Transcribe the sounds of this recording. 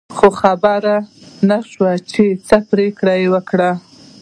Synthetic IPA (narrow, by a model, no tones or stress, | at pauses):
xoxabaɾanaʃwat͡ʃet͡səpɾekɽajewəkɽa